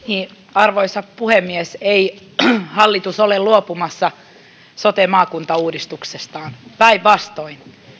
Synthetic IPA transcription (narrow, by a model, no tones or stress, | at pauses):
niː | ɑrʋoisɑppuhemːiesei | hɑlːit̪usolelluopumɑsːɑ | sot̪emɑːkunt̪ɑuːdist̪uksest̪ɑːnpæiʋʋɑst̪oin